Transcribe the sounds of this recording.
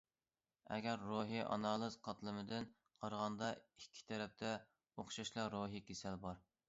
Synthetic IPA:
ɛ̰ɡʲɛɾːoɦɨʔɑ̰nɑlˠɨz̥qʰɑt̪lˠɨmɨd̪ɪn | qʰɑɾʁɑnd̪ɑikʲʰːi̥t̪ʰɛɾɛp̚t̪ʰɛ | oχʃɑʃlˠɑɾoɦikʲʰesælbɑɾ

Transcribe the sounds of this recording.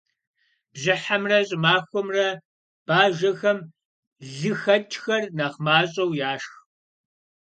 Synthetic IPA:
b̥ʑɪħamrɐɕʼɪmaːxʷɔmrɐ | b̥aːʒɐxɐm | ɮɨxɐt͡ʃʼxɐrnaχmaːɕʼɐwjaːʂx

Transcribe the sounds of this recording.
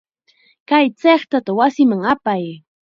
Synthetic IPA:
kajt͡seχt̪at̪awasɪmaŋapaj

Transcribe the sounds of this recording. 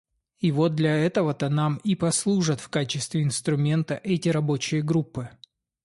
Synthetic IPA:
ivo̞t̪̚d̪lʲɐɛt̪əvət̪ənamipɐslˠuʐət̪fkat͡ɕɪst̪vʲɪɪnst̪ɾʊmʲe̞nt̪əʔɛtʲɪɾɐbo̞t͡ɕɪjəɡɾupːɨ

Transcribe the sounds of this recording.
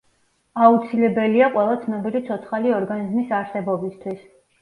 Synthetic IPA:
aut̪sʰilɛbɛliaqʼwɛlˠat̪sʰnɛbilit̪sʰɔt̪sʰχaliɔɾɡanizmisaɾsɛbɔbist̪ʰwis

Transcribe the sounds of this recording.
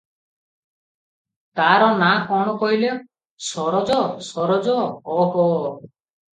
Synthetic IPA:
t̪aɾɔnakɔɽ̃ɔkɔile | sɔɾɔd͡ʒɔsɔɾɔd͡ʒɔɔɦɔ

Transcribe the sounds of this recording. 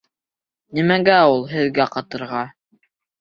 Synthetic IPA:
nimæɡæulˠɦɘ̆ðɡæqɑt̪ɤ̆ɾʁɑ

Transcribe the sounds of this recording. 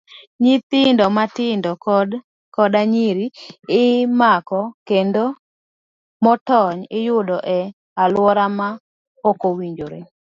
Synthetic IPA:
ɲit̪ɪndɔmatɪndɔ | kɔdaɲiɾiɪmakɔkendo | mɔtɔɲɪjʊdɔʔɛ | alwɔɾama | okowiɲd͡ʒoɾe

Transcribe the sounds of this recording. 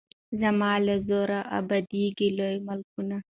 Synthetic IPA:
zɐmaːlezoɾaʔɐ̰bɐd̪iːɡilojmɐlkuna

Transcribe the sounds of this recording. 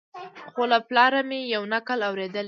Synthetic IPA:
xolaplɑɾamejawnakəlawɾed̪əl

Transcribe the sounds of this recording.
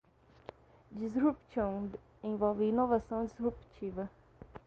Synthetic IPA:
d͡ʒizɦupsɐ̃w̃ | ẽvɔwvɪinovasɐ̃w̃d͡ʒizhupt͡ʃivɐ

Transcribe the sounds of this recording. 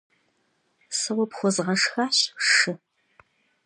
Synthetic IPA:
sɐwɔpxʷɔzʁɐʂxaːɕʂɨ

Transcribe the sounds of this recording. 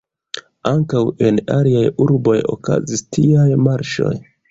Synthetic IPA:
aŋkawe̞na̰liajuɾbo̞jo̰ka̰zistiajmaɾʃo̞̰j

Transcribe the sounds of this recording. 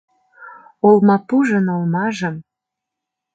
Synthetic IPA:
olmɑpuʒə̆nolmɑʒəm

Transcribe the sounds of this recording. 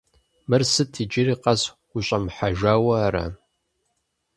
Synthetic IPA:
mɨrsɨtʰid͡ʒɪɾiːqɐs | ɡʷʊɕʷʼɐmħaʒaːwɐːɾɐ̰

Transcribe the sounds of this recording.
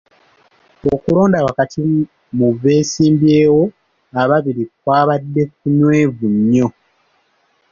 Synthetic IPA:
okulo̞ːndawakatʰi | muve̞ːsiːmbje̞ːwo̞ | aβaβiɾik̚waːβadːe̞kːunwe̞ːvuɲːo̞

